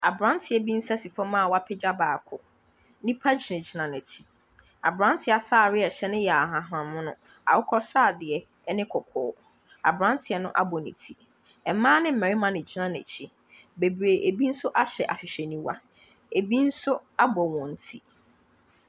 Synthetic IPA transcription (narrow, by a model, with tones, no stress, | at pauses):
a˨bɾã˦n˦tʰɪ˨ɛ˨bi˦n̩˦sa˦si˨fɔ˦mãː˦˨wa˦pʰɛ˦d͡ʑa˦baː˨kʰʊ˨˦ | nĩ˦pʰa˦d͡ʑi˨nɪ̃˨d͡ʑi˨nã˨nɛ̃˨tʰi̥˦ | a̰˨bɾã˦n˦tʰɪ˨˦a˨tʰaː˦˨ɾɪ˦ɛ˨ɕɛ˦nɪ̃˦jɛ˨a˨ɦã˨ɦã˨mʊ̃˦nʊ̃˦ | a̰˨wʊ˦kʰɔ˦saː˦˨dɪ˨ɛ˨˦ | nɪ̃˦kʰɔ˨kʰɔ̰ː˨˦ | a̰˨bɾã˦n˦tʰɪ˨ɛ˦nʊ̰̃˦ʔa̰˦bɔ˨nḭ̃˨tʰi˦ | ɛ˨mãː˦nɪ̃˦m̩˨mɛ̃˨ɾɪ˦mã˨nɪ̃˨d͡ʑi˦nã˦nɛ̰˨t͡ɕʰi˦ | be˨bɾe˨ʔe˨bi˦n̩˦sʊ˦ʔa˦ɕɛ˨ʔa˨ɕᶣɪ˨ɕᶣɛ˨nĩ˦wa˦ | e˨bi˦n̩˦sʊ˦a˦bɔ˨wɔ̃˨n̩˨tʰi˦